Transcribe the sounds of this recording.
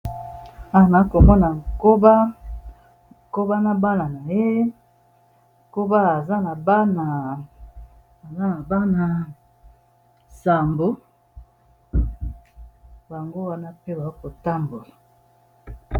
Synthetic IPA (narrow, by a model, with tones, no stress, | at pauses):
a˨a˨na˨˦ko˨mɔ˦na˨ŋko˦ba˦˨ | ko˦ba˦na˦ba˦na˨na˨je˦ | ko˦ba˦a˨za˦na˨ba˦na˨ | a˨za˦na˨ba˦na˨ | sa˨mbo˦ | ba˨ŋɡo˦wa˦na˦pe˦ba˨o˦ko˨ta˦mbo˨la˨